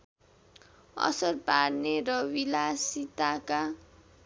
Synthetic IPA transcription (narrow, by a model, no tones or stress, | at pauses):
ʌ̰sʌrparneɾʌwilasit̪aka